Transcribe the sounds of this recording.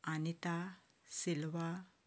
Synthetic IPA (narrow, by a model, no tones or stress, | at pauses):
anit̪a | silʋa